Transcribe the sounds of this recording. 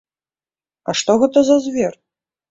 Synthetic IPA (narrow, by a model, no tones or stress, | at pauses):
ɐʂt̪ɔɣɛt̪ɐzɐzʲvʲɛr